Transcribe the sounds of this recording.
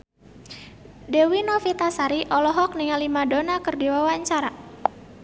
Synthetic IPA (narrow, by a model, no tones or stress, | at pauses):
dewinɔfit̪asaɾiʔɔlɔɦɔk̚niŋalimadonakərdiwawaɲt͡ʃaɾa